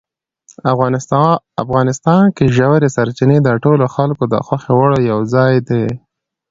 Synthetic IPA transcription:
afɣɑnɪst̪ɑnkeʒawɾesaɾt͡ʃɪned̪əʈoloxalkod̪ə̰xwaxewaɽojawzɑjd̪e

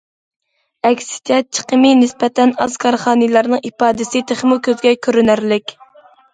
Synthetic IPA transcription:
ɛkʲsɪ̥t̪ʰjɛt̪̚t͡ʃʰə̥qʰəmɨnɪspɛt̪ɛnɑz̥kʰɑɾχɑːnɨlˠɑɾnɨŋipɑːd̪ɪsɪt̪ʰeχmukʲʰøzɡʲɛkʲʰøɾynæɾlɪkʲ

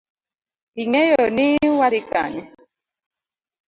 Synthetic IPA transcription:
iŋɛjɔniwaɾika̰ɲɛ

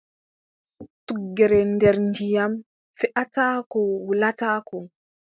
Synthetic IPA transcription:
tuɡːɛɾɛndɛɾndijam | fɛʔatakɔwulataːkɔ

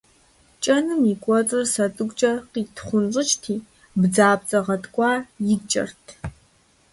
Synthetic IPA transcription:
t͡ʃʼɐnɨmikʷʼɔt͡sʼɨrsɐt͡sʼɨɡʷʼt͡ʃʼɐqiːtʰχʷʊnɕʼɨt͡ʃtʰiː | bd͡zaːb̚t͡sʼɐʁɐtʰkʷʼɑːjɪt͡ʃʼɐ̰rtʰ

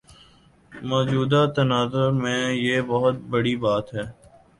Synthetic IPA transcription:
mɔːd͡ʒuːd̪at̪ɐnaːzʊɾmẽjeːbɐɦʊt̪̚bəɽibaːt̪ɦɛː

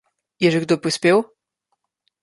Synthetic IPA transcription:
jɛʒɛɡd̪opɾispʲew

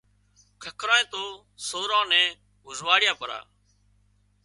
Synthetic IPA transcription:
kʰəkʰɾãːẽːt̪oː | soːɾãːnɛ̃ː | ʊzʋaːɽɪjãːpəɾa̰ː

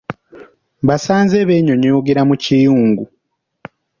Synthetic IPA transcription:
βasaːnzeːβeːɲoɲojoɡeɾamucijuːŋɡu

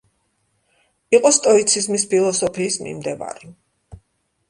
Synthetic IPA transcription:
iqʼɔst̪ʼɔit̪sʰizmispʰilˠɔsɔpʰiːsmḭmd̪ɛva̰ɾi

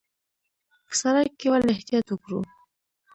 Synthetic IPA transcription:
kə̥saɾajkːewalɪht̪ijɑt̪wʊkɾṵ

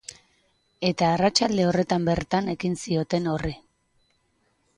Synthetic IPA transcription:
e̞t̪aːrat͡ʃald̪e̞o̞re̞t̪ambe̞ɾt̪ane̞kinsio̞t̪e̞no̞ri

